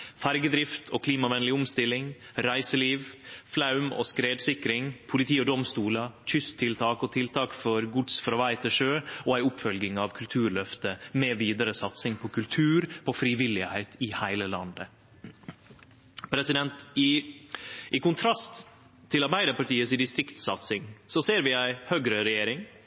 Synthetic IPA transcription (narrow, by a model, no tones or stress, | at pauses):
fæɾɡəd̪ɾɪft̪ʰo̰ːkʰliːmɑʋɛnəlɪʊmst̪ɪlːɪŋ | ɾæɪsəliːʋflɑʉmo̰ːskɾeːd̪sɪkɾɪŋpʰʊlɪt̪ʰiːɔd̪ɔmst̪uːlɑc͡çʏst̪ʰːɪlt̪ʰɑːkoːt̪ʰɪlt̪ʰɑːkfɔɾɡʊd̪sfɾɔʋæɪt̪ʰəʂøːoːæɪʊpfœlɡɪŋɑʋkʰʉlt̪ʰʉːɾɭœft̪əmɛʋiːd̪əɾəsɑt̪sɪŋpʰɔkʰʉlt̪ʰʉːɾpʰɔfɾiʋɪlɪhæɪt̪ʰɪhæɪləlɑnd̪ə | pʰɾɛsɪd̪ɛnt̪ | ʔɪkʰʊnt̪ʰɾɑst̪ʰː | ɪlɑɾbæɪd̪əpɑʈiːəsɪd̪ɪst̪ɾɪkt̪sɑt̪sɪŋsɔseːɾʋɪæɪhøːɡɾəɾɛjeːɾɪŋ